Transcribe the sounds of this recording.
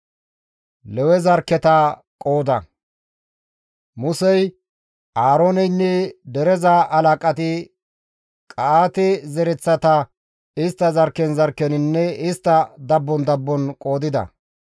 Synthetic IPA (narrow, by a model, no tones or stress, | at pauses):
lɛwɛzɐɾkːɛt̪a | kʼo̞ːd̪ɐ̰ | mʊsɛj | aːɾoːnɛjnːɛd̪ɛɾɛzaʔɐlaːkʼɐt̪ɪ | kʼaːt̪ɛzɛɾɛt͡sːɐt̪ɐ | ɪst̪ːɐzɐɾkːɛnzɐɾkːɛnɪnːɛɪst̪ːɐd̪ɐbːɔnd̪ɐbːɔnkʼo̞ːd̪ɪd̪ɐ̰